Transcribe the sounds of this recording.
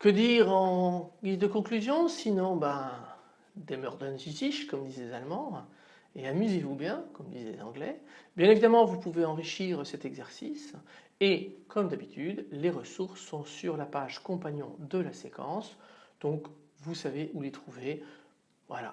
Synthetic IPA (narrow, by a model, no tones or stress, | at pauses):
kəd̪iʁɑ̃ɡizd̪əkɔ̃klyzjɔ̃sinɔ̃bɛ̃ | d̪emœʁd̪ɔnzitiʃkɔmd̪izlezalmɑ̃ | eamyzevubjɛ̃kɔmd̪izlḛzɑ̃ɡlɛ̰bjɛ̃nevid̪amɑ̃vupuveɑ̃ʁiʃiʁsɛt̪ɛɡzɛʁsis | ekʰɔmd̪abit̪ʰyd̪leʁəsuʁsːɔ̃syʁlapaʒkɔ̃paɲjɔ̰̃d̪əlasekɑ̰̃sd̪̥ɔ̃kvusaveʔulet̪χuve | vwa̰la̰